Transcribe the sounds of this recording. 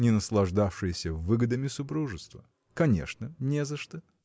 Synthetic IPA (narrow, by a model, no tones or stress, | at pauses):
nʲɪnəslˠɐʐd̪afʂɨjɪsʲəvɨɡəd̪əmʲɪsʊpɾuʐɨst̪və̰ | kɐnʲḛʂnənʲezəʂt̪ə